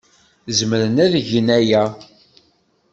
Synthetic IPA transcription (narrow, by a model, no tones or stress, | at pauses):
zəməɾənæðʝənæjæ